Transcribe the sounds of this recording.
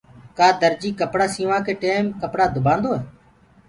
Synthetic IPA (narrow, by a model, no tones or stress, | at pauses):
kaːd̪əɾd͡ʒiːkəpɽaːsĩːʋãːkeːʈeːmkəpɽaːd̪ʱʊbãːnd̪oːɛː